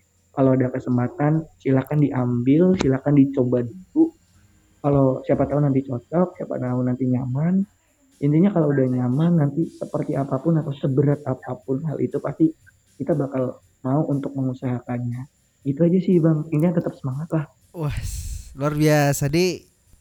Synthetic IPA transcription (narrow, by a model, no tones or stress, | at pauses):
kaloadakəsəmpat̪ansilakandiʔambɪlsilakandit͡ʃobadulu | kalosiapat̪aʊnːant̪it͡ʃɔt̪ɔk̚sia̰pa̰t̪aʊnːant̪iɲaman | jənt̪iɲakaloudahɲamanːant̪isəpərt̪iapapʊnat̪awsəbəɾat̪̚apapʊnɦa̰lʔḭt̪upast̪i | kit̪abakal | mauʔunt̪ʊk̚məŋusaɦakanɲa | ɡit̪uad͡ʒasɪhbaŋinɲat̪ət̪əp̚səmaŋat̪lah | wasluarbiasadi